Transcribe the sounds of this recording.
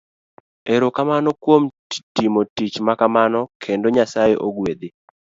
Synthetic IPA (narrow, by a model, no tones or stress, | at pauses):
eɾokamanɔkwom | timotit͡ʃmakamanɔkʰendoɲasajeʔoɡwed̪e